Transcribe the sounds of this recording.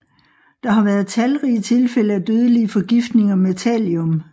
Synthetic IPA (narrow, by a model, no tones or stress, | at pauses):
d̥ɑ̈ɦɑ̈ʋæːɐð̞̩ˠt͡sʰælʁiːt͡sʰe̝lfel̰əæd̥øːð̞ˠəliəfɒ̽ɡ̥ifd̥ne̝ŋɒ̽met͡sʰɛljɔ̽m